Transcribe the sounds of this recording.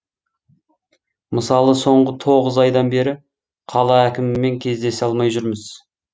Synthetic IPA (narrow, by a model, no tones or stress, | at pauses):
məsɑlˠəso̞ɴʁət̪ʰo̞ʁəzɑjd̪ɑnbe̞ɾɪ | qʰɑlˠɑækʲɪmɪːe̞ŋkʲʰe̞zd̪e̞sɑlˠmɑjʒʏɾməz̥